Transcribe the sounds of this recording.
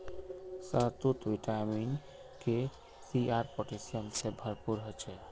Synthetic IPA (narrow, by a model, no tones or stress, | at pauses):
səɦt̪ut̪ʋiʈamin | ke | siaɾpoʈesijəmsebʱəɾpuɾɦot͡ʃʰɛ